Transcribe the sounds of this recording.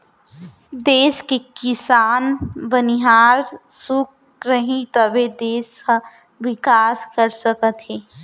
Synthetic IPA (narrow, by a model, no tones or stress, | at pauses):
d̪eːskekɪsaːnbəniɦaːɾsuk̚ | ɾəɦĩt̪əbed̪eːskə̃ | ʋɪkaːskəɾsəkət̪ɦeː